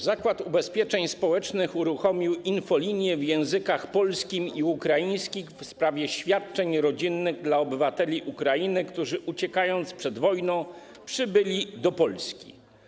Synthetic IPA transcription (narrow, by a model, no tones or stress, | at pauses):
zakwat̪ubɛspʲjɛt͡ʂɛɲspɔwɛt͡ʂnɘxuɾuxɔmʲiwinfɔlʲiɲjɛvjɛ̃w̃zɘkaxpɔlskʲimiukɾajij̃skʲixfspɾavʲjɛɕfʲjat̪̚t͡ʂɛɲɾɔd͡ʑinːɘɣd̪laɔbɘvat̪ɛlʲiʔukɾajinɘkt̪uʐɘʔut͡ɕɛkajɔnt̪spʂɛd̪vɔjnɔ̃ | pʂɘbɘlʲid̪ɔpɔlskʲḭ